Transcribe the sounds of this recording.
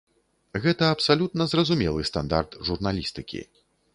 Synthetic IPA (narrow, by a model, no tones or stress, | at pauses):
ɣɛt̪ɐɐpsalʲut̪nɐzrɐzumʲɛlˠɨst̪a̰nd̪a̰rt̪ʐurnalʲist̪ɨkʲḭ